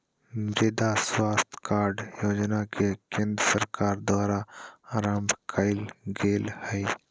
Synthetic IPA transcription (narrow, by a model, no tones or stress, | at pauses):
mɾeːd̪aswaːst̪ʰkaːɾɖjoːd͡ʒnakekẽnd̪səɾkaːɾd̪aːɾaɾambkʰaɪlɡeːlhɛi